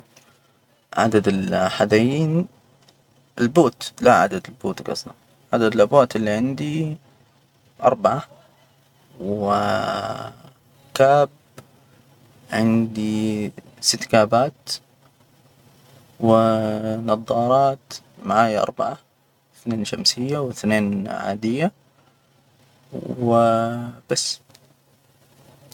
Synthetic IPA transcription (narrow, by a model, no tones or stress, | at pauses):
ʕa̰d̪ad̪ɪlħad̪ajiːn | ɪlboːt̪laʕa̰d̪ad̪ɪlboːt̪ɡɑ̰sˤlɑ | ʕad̪ad̪ɪlʔabwaːt̪ɪlːiʕɪnd̪i | ʔɑ̰ɾˤbaʕa | wɪ | kaːb̚ | ʕɪnd̪i | sɪt̪ːkaːbaːt̪ | wɪnɑðˤːɑːɾˤɑːt̪ | maʕaːjʔɑ̰ɾˤbaʕa | θneːnʃamsɪjːawɪθneːnʕa̰ːd̪ɪjːa | wwɪb̥asː